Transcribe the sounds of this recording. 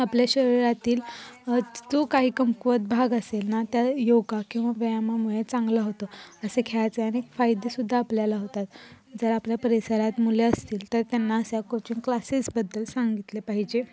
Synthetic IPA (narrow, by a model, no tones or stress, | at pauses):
apljaɕəɾiɾat̪iːl | d͡zokaɦiːkəmkʋət̪̚bʱaɡəselnat̪jajowɡakĩw̃ʋaʋəjamamuɭet͡sãŋɡlaɦot̪oəsekʰat͡seañiekfajd̪esud̪ʱːaːpljalaɦot̪at̪d͡zəɾapljapəɾisəɾat̪muleəst̪iːlt̪əɾt̪janːaəsjakot͡ɕũnklasisbəd̪ːəlsãŋɡit̪lepaɦid͡ʑe